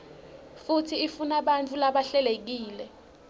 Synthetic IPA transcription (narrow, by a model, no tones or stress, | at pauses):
futʰiifunaɓant͡fʰulaɓaɬɛlek̬iːlɛ